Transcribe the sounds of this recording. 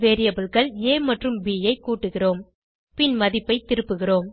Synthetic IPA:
ʋeːɾɪjɐbɐlɣɐɭeːmɐʈrɯmbiːjɐɪkːuːʈːɯɣɪroːm | pɪnmɐðɪpːɐɪt̪ːɪɾɯpːɯɣɪroːm

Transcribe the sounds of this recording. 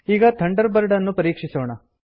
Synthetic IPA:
iːɡɐt̪ʰɐɳɖɐɾbɐɾɖɐnːupɐɾiːkʂisoːɳɐ

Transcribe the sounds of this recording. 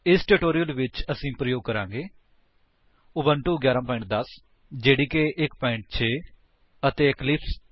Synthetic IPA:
ɪsʈeːʈoːɾijəlʋɪt͡ʃəsĩːpɾəjoːɡ̚kəɾã̰ːŋɡeː | ʊʋəɳʈuːɡjaːɾãːpɔːɪ̃ɳʈ̚d̪əs | d͡ʒeːɽiːkeʔɪkpɔ̃ːɪ̃ɳʈ̚t͡ʃʰeː | ət̪eːɪklɪps

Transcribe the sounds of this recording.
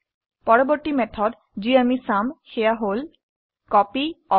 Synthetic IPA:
pɔɹɔbɔɹtimɛtʰɔd | ziamisamxejaɦol | kɔpiɔ

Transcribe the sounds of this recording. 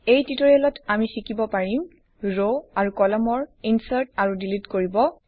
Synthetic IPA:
ejtitɔɹiɛlɔtamisikibɔpaɹim | ɹoaɹukɔlɔmɔɹinsaɹtaɹudilitkoɹibɔ

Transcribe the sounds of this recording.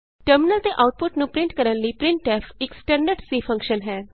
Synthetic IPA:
ʈəɾmɪnəlt̪eːʔaːʊʈ̚pʊʈnũːpɾɪ̃ɳʈkəɾənləiːpɾɪ̃ɳʈɛːpʰɪksʈəɾnɖəɾʈsiːpʰə̃ŋkʃənɦɛː

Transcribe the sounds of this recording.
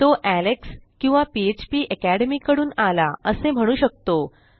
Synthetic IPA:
t̪oʔælekskĩw̃ʋapiet͡ɕpiːʔəkæɽemiːkəɽuːnalaəsem̤əɽ̃uːɕək̚t̪o

